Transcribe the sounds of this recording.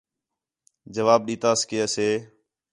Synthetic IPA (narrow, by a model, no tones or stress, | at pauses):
d͡ʒəʋaːb̚ɗĩːt̪aːskeːəseː